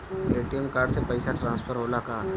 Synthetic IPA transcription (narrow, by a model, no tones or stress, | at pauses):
eːʈiemkaːɾɖsepɐɪsaʈɾãːnspʰəɾɦoːlakaː